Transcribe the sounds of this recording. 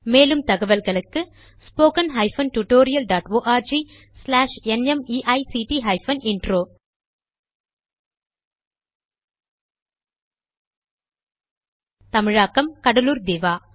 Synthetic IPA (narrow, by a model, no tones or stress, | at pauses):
meːlɯmt̪ɐɣɐʋɐlɣɐɭɯkːɯ | spoːkɐnɦɐɪfɐnʈuʈoːɾɪjɐlɖaːʈoːʔaːɾd͡ʒi | slaːʂɛnɛmiːʔɐɪsiːʈiɦɐɪfɐnɪɳɖɾoː | t̪ɐmɪɻaːkːɐmkɐɽɐluːɾd̪eːʋaː